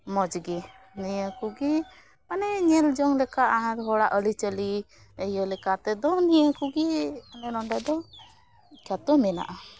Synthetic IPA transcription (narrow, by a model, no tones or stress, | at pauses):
mɔd͡ʒɡɛ | nijəkuɡɛ | manɛɲɛld͡ʒɔŋlɛkaʔaãɾɦɔɽaʔəlit͡ʃəli | ɛjəlɛkat̪ɛd̪ɔnijəkuɡɛmanɛnɔɳɖad̪ɔ | kat̪ɔmɛna̰ʔa